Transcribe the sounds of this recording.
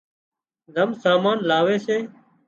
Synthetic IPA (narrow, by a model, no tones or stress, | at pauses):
zəmsaːmaːnlaːʋeːseː